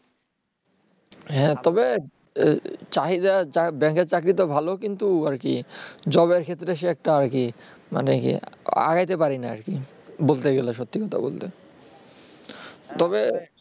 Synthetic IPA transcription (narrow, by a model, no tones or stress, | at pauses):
ɦɛ̃t̪ɔbe | t͡ɕaɦid̪at͡ɕabɛŋkeɾt͡ɕakɾit̪̬obʱalokint̪uaɾkid͡ʑɔβeɾkʰet̪ːɾeʃ̬eɛk̚ʈaaɾki | ma̰nekḭa̰ɡajt̪epaɾinaa̰ɾki | bolt̪eɡeleʃot̪ːikɔt̪ʰa̰bo̰lt̪e | t̪ɔβe